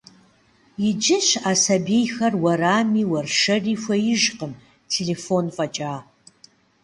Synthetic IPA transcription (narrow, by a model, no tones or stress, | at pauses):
jɪd͡ʒɪɕaːsɐbeːjxɐrwɐɾaːmiːwɐrʂɐriːfʷɐjɪʒqəm | tʰeleːfonfʼɐt͡ʃʼaː